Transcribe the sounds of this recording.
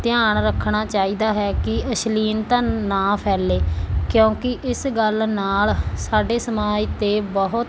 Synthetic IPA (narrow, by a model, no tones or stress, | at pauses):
t̪ɪaːɳɾəkʰːɳ̃aːt͡ʃaːiːd̪aːɦɛːkɪəʃliːnt̪ãːnaːpʰɛːleːkjõːkɪʔɪsɡəlnaːlsaːɖeːsəmaːd͡ʒt̪eːbəɦʊt̪